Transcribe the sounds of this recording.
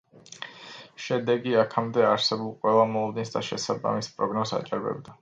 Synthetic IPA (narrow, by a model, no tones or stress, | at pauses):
ʃɛd̪ɛɡiakʰamd̪ɛaɾsɛbulˠqʼwɛlˠamɔlˠɔd̪ɛnsd̪aʃɛsaba̰mispʼɾɔɡnɔza̰t͡ʃʼaɾbɛ̰bd̪a